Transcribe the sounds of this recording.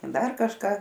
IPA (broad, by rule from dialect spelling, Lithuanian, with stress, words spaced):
ˈdɐr kɐʃˈkɑː